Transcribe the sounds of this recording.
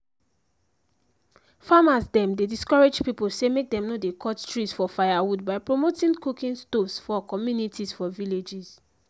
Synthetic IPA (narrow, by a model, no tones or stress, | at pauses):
famasdɛ̃mdediskɔɹed͡ʒpipolsemek̚dɛ̃mnodekʰɔttɹisfɔfajawudbaɪpɹomotĩŋkukĩnstovsfɔkɔmjunitʰizfɔviled͡ʒiz